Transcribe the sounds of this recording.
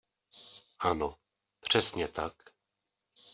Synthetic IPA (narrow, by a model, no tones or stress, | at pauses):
ʔano | pr̝̥ɛsɲɛt̪ak